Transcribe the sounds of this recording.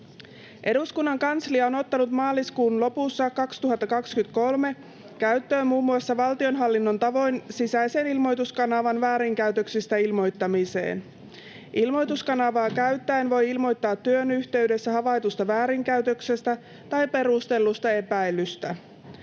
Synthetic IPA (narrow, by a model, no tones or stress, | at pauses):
ʔe̞duskunːɑŋkɑnsliɑo̞no̞t̪ːɑnut̪mɑːlːˑiskuːnlo̞pusːɑkɑkst̪uɦɑt̪ːɑkɑkskyt̪ko̞lme̞ | kæɥt̪ːø̞ːmuːmːuɑsːɑʋɑlt̪io̞nɦɑlːinːo̞nt̪ɑʋo̞jnsisæjse̞nilmo̞jt̪uskɑnɑʋɑnʋæːɾiŋkæyt̪øksist̪æilmo̞jt̪ːɑmise̞̰ːn | ʔilmo̞jt̪uskɑnɑʋɑːkæɥt̪ːæenʋo̞jilmo̞jt̪ːɑːt̪ːyønyçt̪e̞yde̞sːæɦɑʋɑjt̪ust̪ɑʋæːɾiŋkæɥt̪ø̞kse̞st̪æ | t̪ɑjpe̞ɾust̪e̞lːust̪ɑe̞pæjlːˑyst̪æ